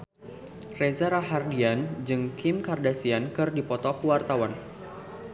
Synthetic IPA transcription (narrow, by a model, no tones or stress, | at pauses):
rezaɾaɦardiand͡ʒɨŋkʰɪmkardasiankɨrdipɔt̪ɔkuwart̪awan